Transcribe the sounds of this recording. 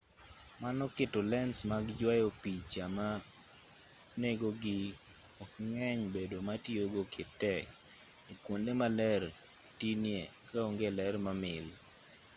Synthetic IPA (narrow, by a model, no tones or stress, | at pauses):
manɔkɪtɔlɛnsmaɡd͡ʒwajopit͡ʃama | neɡoɡɪ | ɔkŋɛɲbedomatjoɡokʰɪtːɛk | ikwondemalɛr | tinjekaoŋɡelɛrmamɪl